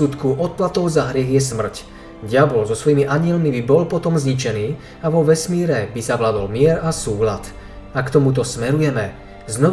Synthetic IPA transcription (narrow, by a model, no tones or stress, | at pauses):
ut̪kuʔɔt̪̚plat̪ɔʊzaɦɾɪɛɣɪɛsmr̩c | ɟɪabɔlzɔsʋɔjimiʔaɲɪɛlmibibɔlpɔt̪ɔmzɲit͡ʃɛniː | aʋɔʋɛsmiːɾɛbizaʋlad̪ɔlmɪɛɾasuːlat̪ | akt̪ɔmut̪̬ɔsmɛɾujɛmɛ | znɔ